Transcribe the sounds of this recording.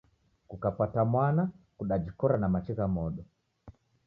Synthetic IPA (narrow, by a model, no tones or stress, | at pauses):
kukapatamwanakuɗad͡ʒikɔɾanamat͡ʃɛkamɔɗɔ